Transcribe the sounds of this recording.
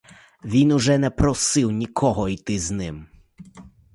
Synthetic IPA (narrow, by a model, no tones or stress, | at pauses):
ʋʲinuʒɛnɛpɾɔsɪwnʲikʰɔɦɔit̪ɪznɪm